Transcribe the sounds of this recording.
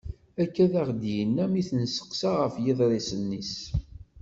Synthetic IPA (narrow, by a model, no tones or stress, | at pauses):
ækːæðæʁd̪jənːæmiθənsə̥qsaʁəfjɪðˤɾˤesənːis